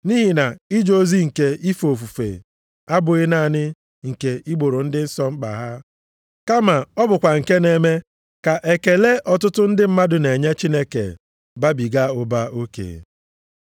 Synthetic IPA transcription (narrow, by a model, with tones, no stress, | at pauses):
ni˦ɦi˨na˨i˦d͡ʒo˦zi˦ŋ̩˨ke˨i˦fo˨fu˨fḛ˨ | a˦bʊ˨ɣɪ˦na˦˨nɪ˦ | ŋ̩˨ke˨i˦ɡ͡bo˨ɾo˨n̩˦dɪ˦n̩˦sɔ˦ŋ͡m̩˦k͡pa̰˨ɦa˦ | ka˦ma˨ɔ˦bʊ˨kʷa˨ŋ̩˨ke˦ne˨me˦ | ka˨ʔe˨ke˨le˦ʔɔ˨tʊ˦tʊ˦n̩˦dɪ˦m̩˦ma˦dʊ˨ne˨ɲe˦t͡ʃi˦ne˦kḛ˨ | ba˦bi˨ɡa˦ʊ˨ba˦o˦kḛː˨